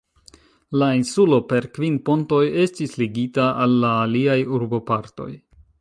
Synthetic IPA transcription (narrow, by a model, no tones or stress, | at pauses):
lainsulo̞pe̞ɾkvinpo̞nto̞je̞stisliɡitaʔalːaːliajuɾbo̞paɾto̞̰j